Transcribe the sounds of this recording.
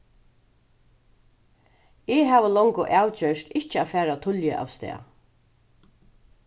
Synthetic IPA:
ɛɦaːʋəlɔŋkʊʔaːwt͡ɕœʃt̪ɪht͡ʃəaːfæːɾat̪ʰʊljəʔa̰ːvst̪ɛ̰ː

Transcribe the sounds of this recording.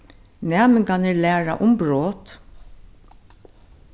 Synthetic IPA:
næːmɪŋkɑnəlæːɹa̰ʔʊmbɹoːt̪

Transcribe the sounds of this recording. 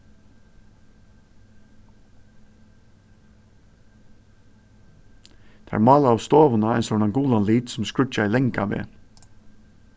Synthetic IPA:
t̪ʰːɾmɑːlaawst̪oːʋʊnaɛnsɔnaŋɡuːlanliːt̪sʊmskɹʏt͡ʃailɛŋkaʋḛː

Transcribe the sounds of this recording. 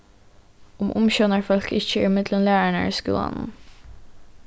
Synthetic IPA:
ʊmʔʊmçœnəɾfɔlkɪçəɪmɪd̪lənlæːɹæɳə̰iːskʉ̰ːlə̰nn̩

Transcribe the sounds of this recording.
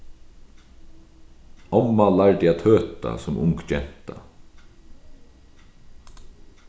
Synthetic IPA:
ɔmːalaɹd̪ɪat̪ʰøːt̪a̰sɔmʔʊ̰ŋkt͡ʃɛn̥t̪a

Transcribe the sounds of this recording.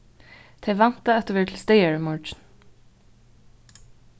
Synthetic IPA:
t̪ʰeɪʋɑnt̪əɛt̪əʋɛːɹtʰl̩st̪eɪəɹmɔɹt͡ʃn̩

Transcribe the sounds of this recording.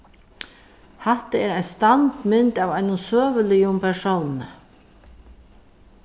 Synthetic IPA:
haht̪əɛːɾajnst̪ant̪mɪnt̪avajnʊnsøːvəlɪjʊmpʰɛɾsownɪnə

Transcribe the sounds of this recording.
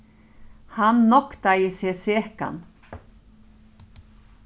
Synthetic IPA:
hanːɔkt̪ajɪseːseːka̰n

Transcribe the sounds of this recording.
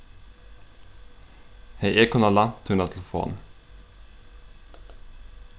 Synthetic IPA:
hɛjʔeːkʊnɑlɑt̪ʰʉnɑt̪ʰɛlfo̰ːn

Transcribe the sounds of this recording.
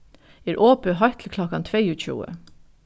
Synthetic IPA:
eːɾʔoːpəɦɑɪt̪ʰl̩kʰlɔkɑnt̪ʰʋeɪʉːc͡çṵːə̰

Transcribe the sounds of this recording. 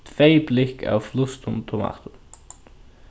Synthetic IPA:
t̪ʰvejplɪka̰wflʊst̪ʊmt̪ʰʊma̰ːt̪ʊn

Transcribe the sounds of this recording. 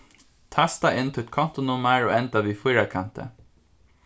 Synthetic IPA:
t̪ʰast̪aʔɪnt̪ʰɛɛt̪̚kʰɔn̥t̪ʊnʊmæɹoːɛnt̪aʋiːfʊjɹakʰant̪ə̰

